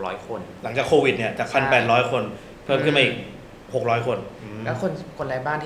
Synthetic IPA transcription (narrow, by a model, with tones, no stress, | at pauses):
ɾɔː˦˥jkʰo˧nla˩˦ŋt͡ɕaː˨˩kʰːoː˧wi˨˩t̪̚ni˥˩ɐt͡ɕaː˨˩k̚pʰa˧npɛː˨˩t̪̚ɾɔː˦˥jkʰo˧n | pʰɤː˥˩˨mkʰɯ˥˩ma˧ʔiː˨˩k̚ | ho˨˩k̚ɾɔː˦˥jkʰo˧nlɛ˦˥kʰo˧nkʰo˧nlaː˨˩jbaː˥˩nt̪ʰ